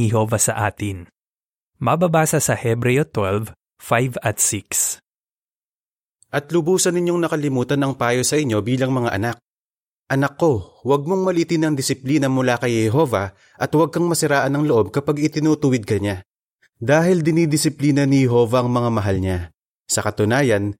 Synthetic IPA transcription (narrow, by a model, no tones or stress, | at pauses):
ɛɦovɐsɐʔaːt̪ɪn | mɐbabaːsɐsɐhɛbɾɛjot̪wɛlv | fajvɐt̪siks | ʔɐt̪lʊbuːsɐnɪɲo̞ŋnɐkɐlɪmuːt̪ɐnɐŋpaːjosɐʔɪɲːo̞biːlɐŋmɐŋaʔɐnak̚ | ʔɐnɐkːo̞wɐɡ̚mo̞ŋmɐliːt̪ɪnɐŋd̪ɪsɪpliːnɐmʊlaːkɐjhhɛɦo̞ːvɐ | ʔɐt̪wɐɡ̚kɐŋmɐsɪɾaːʔɐnɐŋloʔo̞b̚kɐpaɡɪt̪ɪnut̪ʊwɪd̪̚kɐɲa | d̪aːɦɪld̪ɪnid̪ɪsɪpliːnɐnɪhɛɦo̞ːvɐʔɐŋmɐŋamɐɦalɲa | sɐkɐt̪ʊnaːjɐn